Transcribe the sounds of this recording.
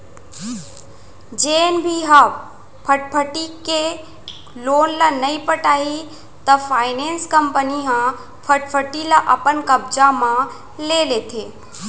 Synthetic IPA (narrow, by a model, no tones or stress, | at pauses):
d͡ʒeːnbʱiɦa | pʰəʈ̚pʰəʈike | loːnlanɐipəʈaːi | t̪ɐfʰaːɪnẽːnskəmpəniɦã | pʰəʈpʰəʈilaʔapənkɐbd͡ʒamã | leːlet̪ʰeː